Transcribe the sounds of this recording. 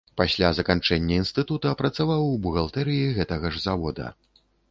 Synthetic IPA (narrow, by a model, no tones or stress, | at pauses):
pasʲlʲazɐkant͡ʂɛnʲːɐinst̪ɨt̪ut̪ɐɐpɾɐt̪savawbuɣɐlˠt̪ɛɾɨjiɣɛt̪ɐɣɐʐzavɔd̪ɐ̰